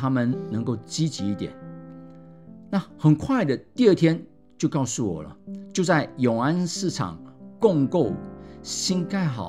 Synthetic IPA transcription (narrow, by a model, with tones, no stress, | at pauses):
a˥mə˨nnə˧˥ŋko˥˩ʊt͡ɕi˥t͡ɕi˧˥i˥˩t̪jɛ̰˨˩˦n | na˥˨xə˨˩nkʰwa˥˩ɪd̪ə˩t̪i˥˧ə˥˩t̪ʰjɛ˥n | t͡ɕjo˥˧ʊkɑ˥˧ʊsu˥˩wɔ̰˨˩lə̰˦t͡ɕjo˥˧ʊt͡sa˥˩ɪjʊ˨˩ŋa˧˥nʂɻ̩˥˩ʈ͡ʂʰɑ̰˨˩ŋkʊ˥˧ŋko˥˧ʊɕi˥nka˥ɪxɑ̰˨˩˦